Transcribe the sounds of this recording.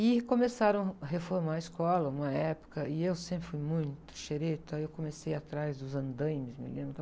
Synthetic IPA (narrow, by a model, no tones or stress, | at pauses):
ɪkõmesaɾɐ̃w̃hefoɾmaɐiskɔlɐũmɐɛpʊ̥kɐɪewsẽpɾɪfujmũj̃t̪ʊ̥ʃeɾet̪aewkõmesejat̪ɾazd̪ʊzɐ̃nd̪ɐ̃jmɪsmɪ̰lẽmbɾt̪